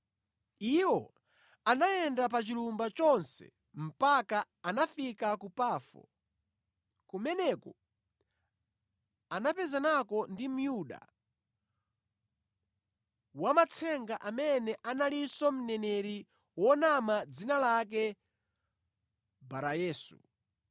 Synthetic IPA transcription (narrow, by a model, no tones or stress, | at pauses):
iwɔ | anaɛndap̬at͡ʃilumbat͡ʃɔnsɛ̰ | m̩paka | anafikakupaːfɔ̰ | kumɛnɛkɔ | anapɛzanakɔndim̩juɗa̰ | wamat͡sʰɛŋɡaʔamɛnɛʔanalisɔm̩nɛnɛɾi | wɔnamad͡zinalak̬ɛ | baɾajɛːsṵ